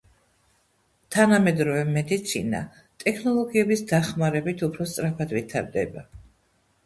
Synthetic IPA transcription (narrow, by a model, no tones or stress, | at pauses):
t̪ʰanamɛd̪ɾɔvɛmɛd̪it̪sʰḭna̰ | t̪ʼɛkʰnɔlˠɔɡiɛbisd̪aχmaɾɛbit̪ʰupʰɾɔst̪sʼɾapʰad̪vit̪ʰa̰ɾd̪ɛ̰ba